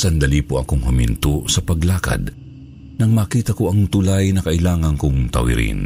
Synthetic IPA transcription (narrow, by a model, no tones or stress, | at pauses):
sɐnd̪ɐliːpoʔɐkoŋhʊmɪ̰nt̪osɐpɐɡlaːkɐ̰d̪ | nɐŋmaːkiːt̪ɐkoʔɐŋt̪ʊlajnɐkɐʔɪlaːŋɐnkʊŋt̪ɐ̰wɪ̰ɾḭn